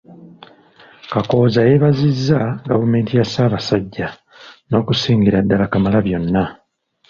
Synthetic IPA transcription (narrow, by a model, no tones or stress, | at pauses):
kako̞ːzajeβazizːaɡavume̞ːntijasaːβasaɟːa | no̞ːkusiːŋɡiɾadːalakamalaβjo̞nːa